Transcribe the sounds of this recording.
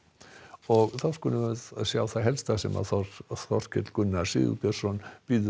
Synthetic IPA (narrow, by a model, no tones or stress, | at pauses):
ɔɣθawskunɪvɛðasjaːwθajɦɛlst̪asɛma̰θɔθɔr̥cʰɛt̪lkʏnːasɪ̰ðʏ̰pjɛɾ̥sɔnpiːð